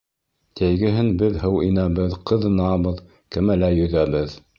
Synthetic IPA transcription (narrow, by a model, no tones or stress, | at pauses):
t̪æjɡɘ̆ɦɘnbɘðhɤwinæβɘðqɤ̆ðɤ̆nɑβɤð | kɘmælæjɵ̆ðæβɘð